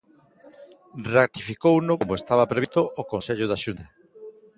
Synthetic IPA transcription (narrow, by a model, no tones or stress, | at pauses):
rat̪ifikownoomoest̪aβɐpɾeβit̪oʔokonseʎʊðaʃunt̪ɐ